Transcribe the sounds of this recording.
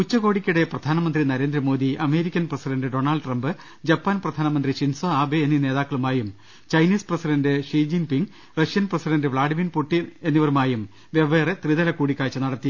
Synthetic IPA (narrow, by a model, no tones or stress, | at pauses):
ut͡ɕːɐɣo̞ːɽikʲːuɽe̞prɐd̪ʱaːnɐmɐnd̪rinɐɾe̞ːnd̪ɾɐmo̞ːd̪iʔɐme̞ːɾikʲːɐnprɐsiɖɐndɨɖo̞ːnɐlɖʈrɐmbɨ | d͡ʑɐpːaːnprɐd̪ʱaːnɐmɐnd̪riɕinsoaːbeːnːine̞ːðaːkːɐɭumaːjum | t͡ɕɐjniːsprɐsiɖɐndɨʂiːd͡ʑiŋpiŋɡ | rɐʂijɐnprɐsiɖɐndɨʋɭaːɖiminpuʈːienːiʋɐɾumaːjum | ʋeʋeːret̪riðɐlɐkuːɽikʲːaːt͡ɕːɨnɐɽɐt̪ːi